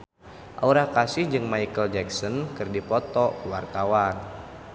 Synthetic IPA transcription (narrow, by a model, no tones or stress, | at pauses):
ʔa̰uɾakasɪhd͡ʒɨŋmaikəld͡ʒɛksɔnkɨrdipɔt̪ɔwart̪awan